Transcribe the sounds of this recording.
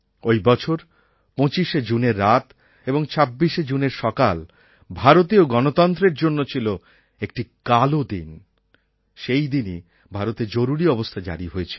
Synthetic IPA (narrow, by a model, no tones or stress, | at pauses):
ojbɔt͡ɕʰoɾ | põt͡ɕiʃed͡ʑuneɾːat̪ | eboŋt͡ɕʰabːiʃed͡ʑuneɾʃɔkal | bʱaɾot̪ioɡɔnot̪ɔnt̪ɾeɾd͡ʑonːot͡ɕʰilo | ek̚ʈikalod̪in | ʃejd̪ini | bʱaɾot̪ed͡ʑoɾuɾiɔbost̪ʰad͡ʑa̰ɾiɦojet͡ɕʰil